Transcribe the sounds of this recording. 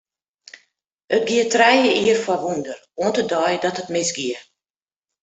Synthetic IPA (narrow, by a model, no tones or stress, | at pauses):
ət̚ɡiətrɛjəʔiərfwɔʋundər | uəntədɔjdɔtətmɪsɡiə